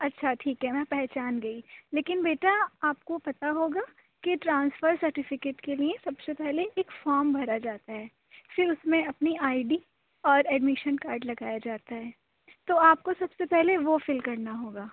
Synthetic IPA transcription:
ɐtːʃʰaʈʰiːkɦɛmɛ̃ːpɛɦt͡ʃaːnɡɐileːkɪnbeːʈaaːp̚kopɐt̪aɦoːɡa | kiʈɾãːnsfəɾsɐɾʈɪfɪkeːʈkeliesɐbsepɛɦleeːkfɔːɾmbʱɐɾad͡ʒaːt̪aɦɛː | fɪɾʊsmẽɐpniaːiɖi | ɔːɾɛːɖmɪʃənkaːɾɖlɐɡaːjad͡ʒaːt̪aɦɛː | t̪oaːp̚kosɐbsepɛɦleʋofɪlkɐɾnaɦoːɡaː

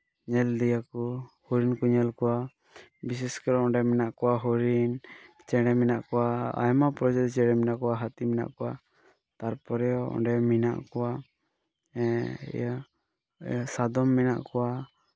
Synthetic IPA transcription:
ɲɛld̪ijakɔhuɾinkuɲɛlkɔwa | bis̬ɛskɔɾɔɔɖɛmɛnaʔkɔwaɦɔɾin | t͡ʃɛɽɛminaʔkɔwaa̰jmapɾɔd͡ʒɛt̪t͡ʃɛɽɛminaʔkɔwaɦat̪imina̰ʔkɔwa | t̪aɾpɔɾɛɔɔ̰ɳɖɛmina̰ʔkɔwa | sad̪ɔmːina̰ʔkɔwa

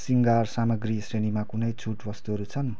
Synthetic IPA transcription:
siŋɡarsamʌɡrisrenimakunʌjd͡zʰʱuʈwʌst̪uɦʌɾut͡sʰʌn

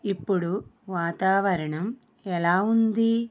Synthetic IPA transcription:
ipːuɽuʋaːt̪aːʋɐɾɐɳɐm | ɛlaːund̪i

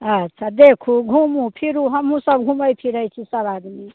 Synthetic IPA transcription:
ətːʃʰad̪ekʰuɡʱumupʰiɾuɦəmũsə̃bɡʱũməjpʰiɾəjt͡ʃʰisəβad̪mi

